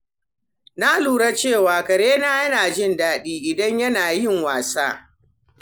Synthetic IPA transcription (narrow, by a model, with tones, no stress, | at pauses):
na˦luː˨ɽa˦t͡ʃeː˦˨waː˨kɐ˨ɽeː˦naː˦jɐ˦naː˨d͡ʒɪ˦ndaː˦˨ɗiː˦ʔɪ˨dɐ˦ɲjɐ˦naː˨jɪ˦ŋwaː˨saː˦